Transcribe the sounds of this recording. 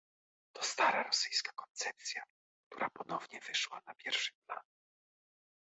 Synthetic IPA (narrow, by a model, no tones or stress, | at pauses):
t̪ɔst̪aɾaɾɔsɘjskḁkɔnt̪sɛp̚t̪sʲja | k̚t̪uɾapɔnɔvɲɛvɘʂwanapʲjɛɾfʂɨ̥pla̰n